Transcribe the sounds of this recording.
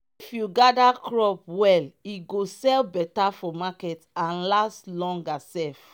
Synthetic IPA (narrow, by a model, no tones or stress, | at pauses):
ifjuɡadakɹɔp̚wɛliɡosɛlbɛtafɔmakɛtãnlaslɔ̃ŋɡasɛf